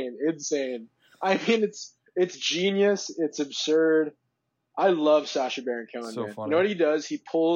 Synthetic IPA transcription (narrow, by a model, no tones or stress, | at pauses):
nɪdsẽɪ̃n | ʔaɪmĩnɨts | ɪtsd̥ʒ̥ĩnjɨsɪtsɨbsɜ˞d | ʔaɪlʌv̥sæʃɨbɛɹɨ̃nkʰɛ̃ʊə̃nɛ̰̃nnoʊwʌɾ̚hidʌz̥ipʰʊ